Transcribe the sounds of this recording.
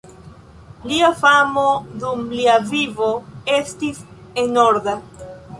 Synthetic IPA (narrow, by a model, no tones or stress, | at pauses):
liafamodumliavivo̞e̞stis | enoɾda